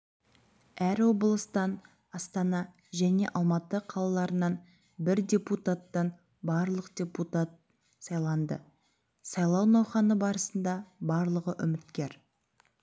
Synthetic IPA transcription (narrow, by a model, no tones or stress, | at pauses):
æɾwo̞bəlˠəst̪ɑn | ɑst̪ɑnɑ | ʒæne̞̰ʔɑlˠmɑt̪əqʰɑlˠɑlˠɑɾənɑn | bɪɾdʲe̞put̪at̪ːɑn | bɑɾlˠəqd̪̥ʲe̞put̪at̪̚ | sɑjlˠɑnd̪ə̰ | sɑjlˠɑwnɑwχɑnəbɑɾəsənd̪ɑbɑɾlˠəʁəʔʏmɪt̪kʲe̞ɾ